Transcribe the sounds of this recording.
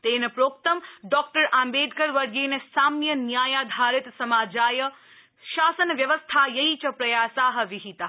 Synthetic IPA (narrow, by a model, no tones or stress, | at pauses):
t̪enepɾoːk̚t̪əmɖɔːk̚ʈəɾãːmbeːd̪kəɾʋɐɾɡenesaːmnjənjaːjaːd̪ʱaːɾɪt̪sɐmaːd͡ʒaːjə | ʃaːsənʋjɐʋəst̪ʰajɐit͡ʃəpɾɐjaːsaːɦə̆ʋiɦit̪a